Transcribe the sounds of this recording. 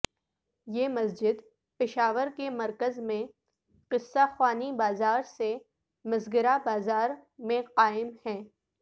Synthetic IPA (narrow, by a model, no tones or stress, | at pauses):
jeːmɐs̬d͡ʒɪd̪ | pɪʃaːʋəɾkemɐɾkəzmẽ | qɪsːaxwaːnibaːzaːɾse | mɪzɡəɾabaːzaːɾmẽqaːɪmhɛ̃ː